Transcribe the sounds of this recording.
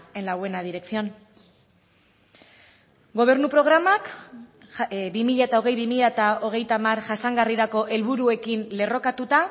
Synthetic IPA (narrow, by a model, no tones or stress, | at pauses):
e̞nlawe̞nað̞iɾe̞k̚sio̞n | ɡo̞β̞e̞ɾnupɾo̞ɣ̞ɾamak | bimiʎaet̪ao̞ɣ̞e̞jβimiʎaet̪ao̞ɣ̞e̞jt̪amaɾʝasaŋɡariɾako̞ʔe̞lβuɾue̞kinle̞ro̞kat̪ut̪a